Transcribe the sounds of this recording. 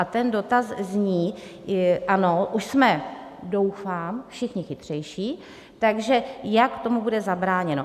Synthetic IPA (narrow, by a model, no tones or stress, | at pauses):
ʔat̪ɛndo̞t̪azzɲiː | ʔano̞ʔuʃsmɛdo̞wfaːmfʃɪxɲɪxɪt̪r̝̥ɛjʃiː | t̪aɡʒɛjakt̪o̞mubudɛzabɾaːɲɛno